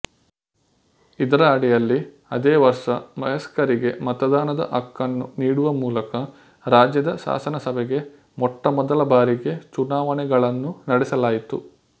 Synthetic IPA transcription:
id̪ɐɾɐːɽijɐlːi | ɐ̰d̪eːʋɐɾʂɐmɐjɐskɐɾiɡe̞mɐt̪ɐd̪aːnɐd̪ɐ̰ʔɐkːɐnːṵniːɽuʋɐmuːlɐkɐ | ɾaːd͡ʒjɐd̪ɐʃa̰ːsɐnɐsɐbɛɡe̞ | mɔʈːɐmɔd̪ɐlɐbaːɾiɡe̞t͡ʃunaːʋɐnɛɡɐɭɐnːunɐɽɛsɐlaːjit̪ṵ

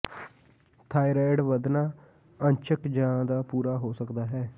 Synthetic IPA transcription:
t̪ʰaːiɾɛːɖʋəd̪naː | əɲt͡ʃʰəkd͡ʒãːd̪aːpuːɾaːɦoːsəkd̪aːɦɛː

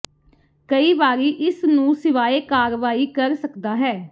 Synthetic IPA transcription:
kəiːʋaːɾiːʔɪsnũːsɪʋaːeːkaːɾʋaːiːkəɾsəkd̪aːɦɛː

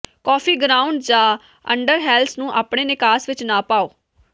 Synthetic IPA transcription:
kɔːpʰiːɡɾaːʊ̃ɳɖd͡ʒãː | ə̰ɳɖəɾɦɛːlsnũːʔaːpɳeːnɪkaːsʋɪt͡ʃnaːpaːoː

